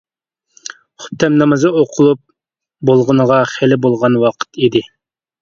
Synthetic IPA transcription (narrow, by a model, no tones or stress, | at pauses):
χʊ̥t̪ʰːɛmnɑmɨzɨoqʰʊlˠup̚ | bolˠʁənəʁɑχelɪbolˠʁɑnwɑqʰə̥t̪ʰid̪ɪ